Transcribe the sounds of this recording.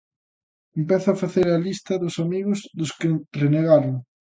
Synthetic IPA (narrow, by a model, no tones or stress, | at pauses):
empeθʊafaθeɾɐlist̪ɐðʊsamiɣʊzðʊskɪreneɣaɾoŋ